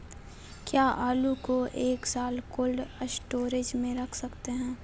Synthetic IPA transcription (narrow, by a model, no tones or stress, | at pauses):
kjaːʔaːlukoʔeːksaːlkoːlɖsʈoːɾed͡ʒmẽɾɐkʰsɐkt̪eɦɛ̃ː